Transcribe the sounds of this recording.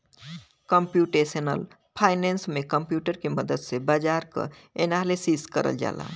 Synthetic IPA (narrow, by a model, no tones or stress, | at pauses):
kəmpjuʈesənəl | pʰaɪnensmekəmpjuʈəɾkeməd̪əd̪sebad͡ʒaɾkə̰ | enalisiskə̰ɾə̰ld͡ʒa̰la̰